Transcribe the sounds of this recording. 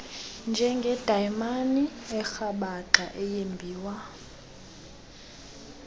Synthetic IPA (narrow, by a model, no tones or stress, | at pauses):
nd͡ʒʱɛŋɡʱɛd̥ʱajmaniɛxaɓaǃaʔɛjembʱiːwa